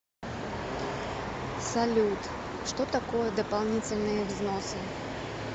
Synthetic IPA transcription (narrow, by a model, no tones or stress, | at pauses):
salʲut̪ | ʂt̪ɔt̪akɔjɛd̪ɐpalˠnʲit͡sʲɪlʲnɨjɛvznɔsɨ